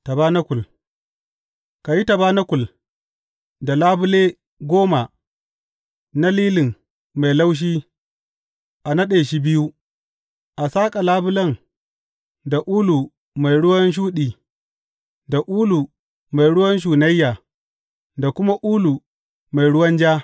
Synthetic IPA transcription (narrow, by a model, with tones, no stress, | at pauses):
ta˨baː˦nɐ˦kʷʊ˨l | ka˨ji˦ta˨baː˦nɐ˦kʷʊ˨l | da˨laː˦bʊ˦leː˦ | ɡʷoː˦ma˨ | na˦liː˦lɪ˨ŋ | ma˨jla˦wʃ̬iː˦ | ʔa˨nɐ˦ɗeː˨ʃi˦bɪ˦ju˦ | ʔa˨saː˦kʼa˨laː˦bʊ˦lɐ˦ŋ | da˨ʔuː˦lu˨ | ma˨jɽʊ˦wɐ˦nʃ̬uː˦ɗiː˨ | da˨ʔuː˦lu˨ | ma˨jɽʊ˦wɐ˦nʃ̬uː˨nɐ˦jːa˨ | da˨kʷʊ˦ma˦ʔuː˦lu˨ | ma˨jɽʊ˦wɐ˦nd͡ʒaː˦